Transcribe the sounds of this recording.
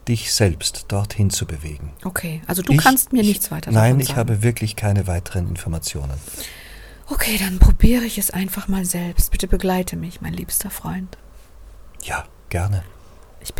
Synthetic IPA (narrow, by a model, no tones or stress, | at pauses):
d̥ɪçz̥ɛlpstd̥ɔɐthɪnt͡subəveːɡŋ̩ʔokʰeːʔalzodukʰanstmiːɐnɪçt͡sv̥aɪtɐnaɪnɪçhaːbəvɪɐkʰlɪçkʰaɪnəvaɪtʰəʁənɪ̰nfɔɐmat͡sjo̰ːnən | ʔokʰeːd̥anpʁ̥obiːʁəɪçɛsʔa̰ɪnfaχmaːlzɛlpst̚b̥ɪtəbəɡlaɪtʰəmɪçmaɪnliːpstɐfʁ̥ɔʏnt | jaː | ɡ̥ɛɐnə | ʔɪç̥